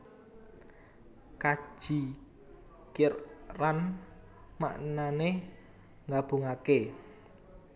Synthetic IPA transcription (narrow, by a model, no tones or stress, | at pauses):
kḁʒ̥i | kɪrran | ma̰ʔnane | ŋɡab̥ṳŋake